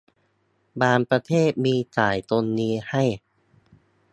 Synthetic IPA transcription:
baː˧npɾa˧t̪ʰeː˥˩t̪̚miː˧t͡ɕaː˨˩jt̪o˧nːiː˦˥ha˥˩j

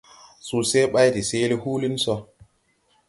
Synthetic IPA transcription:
su˨se˦ɓa˦jti˨se˦li˦hu˦li˦nsɔ˦

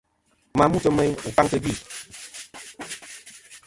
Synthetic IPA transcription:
ma˨mu˦tə˨˦mɛ˦ɲu˨ka˦ŋtə˦bi˦˨

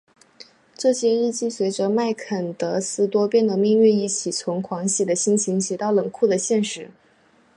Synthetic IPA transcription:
ʈ͡ʂɤ˥˩ɕjɛ˥ɻɻ̩˥˧t͡ɕi˥˩swe˧˥ɪʈ͡ʂə˧ma˥˩ɪkʰə˨˩nt̪ɤ˧˥sɹ̩˥t̪wɔ˥pjɛ˥nd̪ə˨˩mi˥˧ŋɥy˥˧ni˥˩t͡ɕʰi˨˩t͡sʰʊ˧˥ŋkʰwɑ˧˥ŋɕi˨˥˩d̪ə˩ɕi˥nt͡ɕʰi˧˥ŋɕʰi˧˥t̪ɑ˥˩ʊlɤ˨˩ŋkʰu˥˩d̪ə˩ɕjɛ˥˩nʂɻ̩˧˥

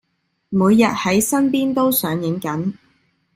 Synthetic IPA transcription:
muː˨˧jːɐ˨t̚hɐ˨˥jsɐ˥npiː˥nt̪o˥wsœː˨˥ŋjɪ˨˥ŋkɐ˨˥n

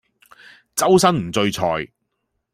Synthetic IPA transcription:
t͡sɐ˥wsɐ˥nm̩˨˩t͡sɵ˧ɥt͡sʰɔː˨j

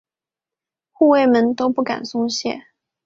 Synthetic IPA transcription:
xu˥˧we˥˩ɪmə˧˥nt̪o˥ʊpu˥˩ka̰˨˩nsʊ˥ŋɕjɛ̰˥˩

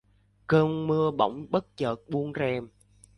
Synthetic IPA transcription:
kəː˧nmɨ˧əɓə̰˧˩wŋ͡mɓə˦˥t̚t͡ɕəː˨˩t̚ɓu˧ənzɛ˧m

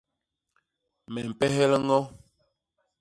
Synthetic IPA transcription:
mɛ˨m̩˨pɛ˦ɦɛ˦lə˦ŋɔ˦

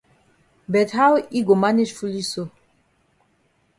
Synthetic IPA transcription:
bɛ˨t̪ha˦wi˦ɡo˨ma˦ni˦ʃfu˦li˦so˦

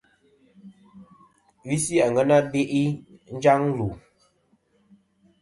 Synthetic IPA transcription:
vi˦si˦a˨ŋɡə˦na˦be˦ʔi˦n̩˦d͡ʒa˦ŋlu˨

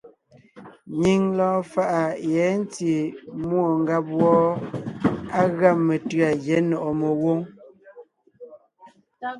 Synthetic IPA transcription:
ɲi˨ŋlɔ̃ː˦fa˦˨ʔa˨jɛ˨˦n˦ti˨mwo˨ŋ˦ɡa˦p̚wɔ˦ | a˦ɣa˦˨me˨tɰa˨jɛ˨˦nɔ˨ʔɔ˨me˨wo˦ŋ

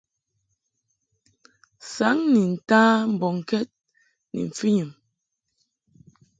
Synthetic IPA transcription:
sa˨˦ŋni˨n̩˨taː˦m̩˨bɔ˨ŋ˨kɛ˦t̚ | nḭ˨ɱ̩˨fi˦ɲi˨m

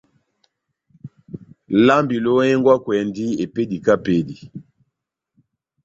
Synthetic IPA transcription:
la˦mbi˨lo˦ɛ˦ŋɡwa˦kwɛ˨ndi˦e˨pe˦di˨ka˦pe˦di˨

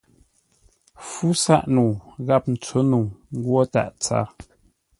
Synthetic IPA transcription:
fu˦sa̰˦ʔnu˨ɣa˦˨p̚n̩˨t͡so˨˦nu˨ŋ˦ɡwɔ˦ta̰˦˨ʔt͡sa̰ː˦˨

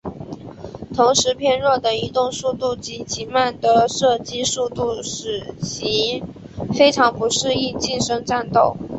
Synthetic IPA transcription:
t̪ʰʊ˧˥ŋʂɻ̩˧˥pʰjɛ˥˧nɻwɔ˥˩d̪ə˩i˧˥t̪ʊ˥˧ŋsu˥˧t̪u˥˩t͡ɕi˧˥t͡ɕʰi˧˥ma˥˩nd̪ə˧˩ʂɤ˥˩t͡ɕi˥su˥˧t̪u˥˩ʂɻ̩˨˩ɕi˧˥ | fe˥ɪʈ͡ʂʰɑ˧˥ŋpu˧˥ʂɻ̩˥˧i˥˧nt͡ɕi˥˩nʂɤ˥ŋʈ͡ʂa˥˧nt̪o˥˩ʊ

